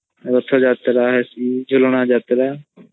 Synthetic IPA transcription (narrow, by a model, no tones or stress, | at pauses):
ɾət̪ʰːoːd͡ʒaːt̪ɾaːɦɛsiːd͡ʒʱʊlɳ̃aːd͡ʒaːt̪ɾaː